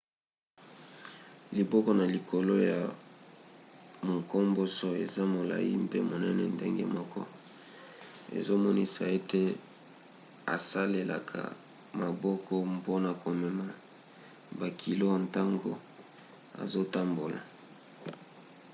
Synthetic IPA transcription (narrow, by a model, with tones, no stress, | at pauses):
li˨bɔ˦kɔ˦na˨li˨ko˨lo˦ja˨ | mo˨kɔ˦mbo˦so˦e˨za˦mo˨la̰˨jḭ˦mpe˦mo˨nɛ˦nɛ̰˨nde˦ŋɡe˦mɔ˦kɔ̰˦ | ḛ˨zo˦mɔ˦ni˦sa˨e˦te˦ | a̰˨sa˦le˨la̰˨kʰa̰˨ | ma˨bɔ˦kɔ˦mpo˦na˨ko˨mɛ˨ma˨ | ba˨kʰi˨lo˦˨nta˦ŋɡo̰˨ | a̰˨zo˦ta˦mbo˨la̰˨